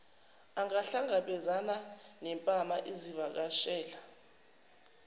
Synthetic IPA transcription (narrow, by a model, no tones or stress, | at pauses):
aŋaɬaŋaɓɛzananɛmpʼamaʔizivak̬aʃɛːla